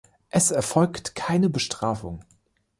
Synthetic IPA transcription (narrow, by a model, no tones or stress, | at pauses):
ʔɛsɛɐfɔlktkʰaɪnəbəʃtʁ̥aːfʊ̰ŋ